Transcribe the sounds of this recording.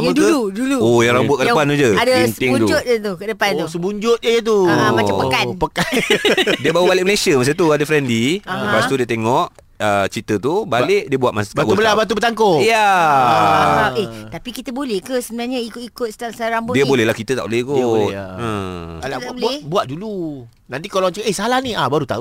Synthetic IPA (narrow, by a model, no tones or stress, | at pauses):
amduəluuluojaɾaŋbuat̪̚kədapant̪ud͡ʒəadansəɪŋuud͡ʒʊt̪̚ət̪ukədəpant̪usəbuɲd͡ʒʊt̪̚d͡ʒəjət̪̬umaapəkannpəka | diəbawəbalɪʔ̚məlesiəmas̬at̪uadəfɾɛndlibawst̪udiət̪eŋɔʔ | ət͡ʃit̪ət̪ubalɪʔ̚diəbuat̪̚masbaʔ̪ubəlabat̪̬ubət̪aŋkoja | aeht̪apikit̪əbolɛhkəsəbənaɲəikikʊt̪̚stasaɾaŋbodiəbolɛhlahkit̪ət̪a̰ʔbolɛkuiəalabolaɛbuat̪̚dulu | nãnt̪ikolot͡ʃʔehsalahniahbaɾut̪a̰u